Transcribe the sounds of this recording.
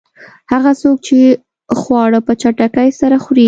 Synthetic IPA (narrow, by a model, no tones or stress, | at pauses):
haɣasok̚t͡ʃe | xwɑɽəpət͡ʃaʈakajsaɾaxɾe